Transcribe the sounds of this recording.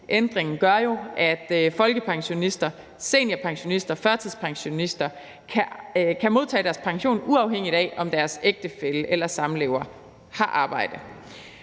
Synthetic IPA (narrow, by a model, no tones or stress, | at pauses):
ʔend̥ʁeŋn̩ɡ̥ɶɐjo̝ʔæd̥fɒ̽lɡ̥əpʰɑ̈ŋɕo̝nisd̥ɐ | se̝ːnɐpʰɑ̈ŋɕo̝nisd̥ɐfɶɐt͡sʰiðˠspʰɑ̈ŋɕo̝nisd̥ɐ | kʰækʰæmo̝ð̞̰ˠt͡sʰɛ̰ːd̥æɐspʰɑ̈ŋɕo̝̰ːnuɑ̈ʊɦeŋ̰id̥ɛɒ̽md̥æɐseɡ̥̚d̥əfeləʔelɐsɑ̈mleːʊɐ | hɑ̈ʔɑ̈ːb̥ɑ̈ɪ̰d̥ə